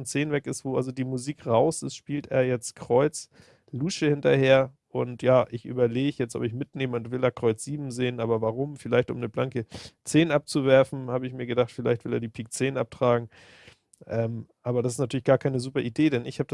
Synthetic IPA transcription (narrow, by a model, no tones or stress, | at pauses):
nt͡seːnənvɛkɪstv̥oːʔa̰lzodiːmuziːkʁaʊsɪsʃpiːltḛːɐjɛt͡stkʁ̥ɔʏt͡s | luːʃəhɪntɐheːɐ | ʔʊntjaːʔɪçʔy̰ːbɐleːɡçjɛt͡stɔ̰pɪçmɪtneːməʊntv̥ɪlɛːɐkʁ̥ɔʏt͡sz̥iːbm̩zeːənʔaːbɐvaʁʊmfɪlaɪçtʔʊ̰mnəblaŋkət͡seːnʔap̚t͡suvɛɐfn̩haːbəɪçmiːɐɡədaχtfɪlaɪçtv̥ɪleːɐdiːpʰiːk̚t͡seːnʔap̚tʁ̥aːɡŋ̩ | ʔɛːmʔaːbɐɾas̬ɪstnatyːɐlɪçɡ̥aːɐkʰaɪnəzuːpɐʔideːdɛnɪçhaːbə̥a